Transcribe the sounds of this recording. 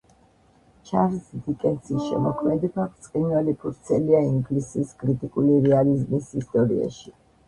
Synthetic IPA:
t͡ʃʰaɾsd̪ikʼɛnt̪sisʃɛ̰mɔkʰmɛd̪ɛbakt̪sʼqʼinwalipʰuɾt̪sʰɛliaiŋɡlisiskʼɾit̪ʼikʼuliɾɛalizmisist̪ʼɔɾḭa̰ʃi

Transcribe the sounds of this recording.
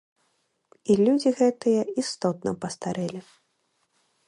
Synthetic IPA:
ilʲud͡zʲiɣɛt̪ɨjɐist̪ɔt̪̚nɐpɐst̪aɾɛlʲi

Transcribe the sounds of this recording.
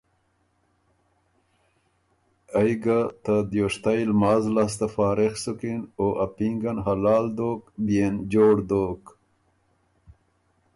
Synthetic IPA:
ajɡat̪ad̪joʂt̪ajlmaːzlas̬t̪afaːɾexsukinoːʔapiŋɡanɦalaːld̪oːkbjend͡ʑoːɽd̪oːk

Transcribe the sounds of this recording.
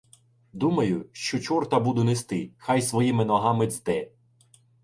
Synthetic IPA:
d̪umɐjʊʃt͡ʃɔt͡ʃɔrt̪ɐbud̪ʊnest̪ɪxɑjsʋɔjimɪnɔɦɑmɪzd̪ɛ

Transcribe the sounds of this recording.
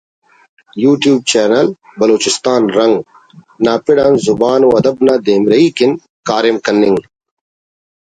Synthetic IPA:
juːʈjuːb̚t͡ɕeːɾnɐlbɐloːt͡ɕist̪aːnɾɐŋɡ | naːpiɽaːnzubaːnuɐd̪ɐbnaːd̪eːmɾɐiːkin | kaːɾimkɐnːiŋ

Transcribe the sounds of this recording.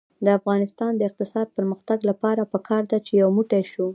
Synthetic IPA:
d̪əafɣɑnɪst̪ɑnd̪əɪq̚t̪ɪsɑd̪̚pəɾməxt̪aɡlapɑɾapəkʰɑɾd̪at͡ʃejawmuʈaʃu

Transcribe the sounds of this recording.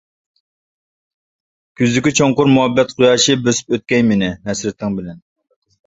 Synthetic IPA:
kʲʰyzd̪ɪkʲit͡ʃʰoŋqʊɾmuɦɛbːɛt̪qʰʊjɑːʃibøsy̥pøt̪̚kʲɛjmɪnɪmɛsɾɪt̪ʰːɪŋbɪlɛn

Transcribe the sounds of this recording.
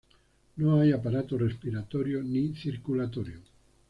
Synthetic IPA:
noajapaɾat̪orespiɾat̪oɾjoniθiɾkulat̪oɾjo

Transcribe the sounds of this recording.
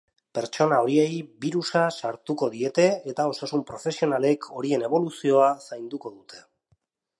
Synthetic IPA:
pe̞ɾt͡ʃo̞nao̞ɾie̞jβiɾusasaɾt̪uko̞ðie̞t̪e̞et̪ao̞sasumpɾo̞fe̞sio̞nale̞kʰo̞ɾie̞ne̞β̞o̞lusio̞asajnd̪uko̞ðut̪ʰe̞̥

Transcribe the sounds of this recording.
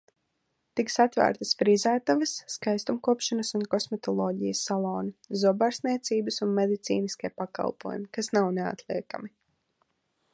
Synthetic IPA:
t̪iksat̪væ̰ːɾt̪əsfɾizæːt̪avɐsːkajst̪umkuɔpʃanɐsunkɔsmɛt̪ɔlˠɔːɟijəsːalˠɔːnizuɔbaɾsniɛt̪siːbɨsunmed̪it̪sḭːniskʲiɛpaka̰lˠpṵɔjumikasnawnea̰t̪lˠiɛka̰mi

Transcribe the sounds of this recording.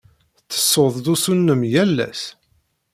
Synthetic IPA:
t͡sːə̥sːoðˤd̪usunːəmjælːæ̰s

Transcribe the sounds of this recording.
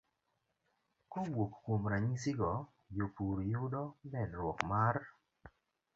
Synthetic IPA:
kowokːwomɾaɲiŋsɪɡɔ | jopuɾjʊdɔbɛnɾwɔkmar

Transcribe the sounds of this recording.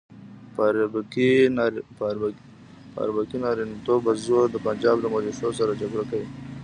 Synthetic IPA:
paɾbki | pa̰ɾbakinɑɾint̪obazuɾd̪əpand͡ʒɑːbləmaliʃosaɾad͡ʒaɡɽakawi

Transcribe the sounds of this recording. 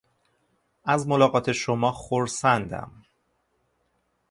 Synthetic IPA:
ʔæzmo̞lɒːɣɒːt̪ʰe̞ʃomɒːxoɾsænd̪æ̰m

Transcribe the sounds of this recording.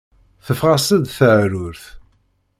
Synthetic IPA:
θəfʁasəðθəʕɾʊɾθ

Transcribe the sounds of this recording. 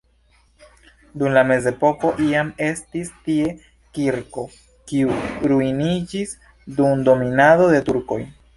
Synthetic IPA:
dumlame̞ze̞po̞ko̞ʔiame̞stistie̞ | kiɾko̞ | kiuɾujinid͡ʒis | dumdo̞minado̞de̞tuɾko̞̰j

